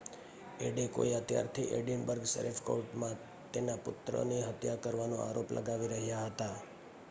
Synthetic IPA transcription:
eɖeko̰iət̪ja̰ɾt̪ʰiʔeɖjənbəɾɡsə̰ɾifko̰ɾʈmã | t̪enapʊt̪ɾə̰niɦət̪jakəɾʋanoa̰ɾoplʔə̰ɡaʋiɾəɦjaɦət̪a

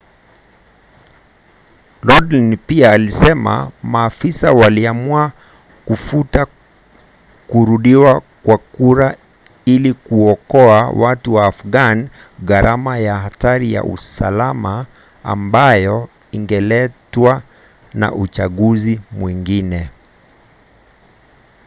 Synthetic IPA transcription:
lɔdlinpiaːlisɛma̰maːfisawaliamua | kufuta | kuɾuɗiwakwakuɾa | ilikuɔkɔawatuwaːfɡan | ɣaɾʔamajahataɾija̰ʔṵsa̰lama | a̰mbajɔ | iŋɡɛlɛtwa | na̰ʔut͡ʃaɠuzimwiŋɡinɛ

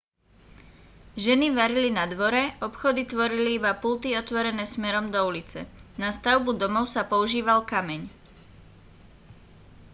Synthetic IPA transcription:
ʒɛniʋaɾilinad̪ʋɔɾɛɔpxɔd̪it̪ʋɔɾiliibapult̪iɔt̪ʋɔɾɛnɛːsmɛɾɔmd̪ɔulit͡sɛ̰nast̪aʊbud̪ɔmɔʊsapɔuʒiːʋalkamɛɲ

